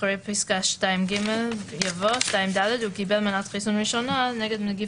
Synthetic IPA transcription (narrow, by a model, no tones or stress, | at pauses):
ɾɛjpɪskaʃtajmɡɪmɛlˠjavɔʃtajɪmdalɛdukibɛlˠmanatχisunɹiʃɔnanɛɡɛdmɪɡi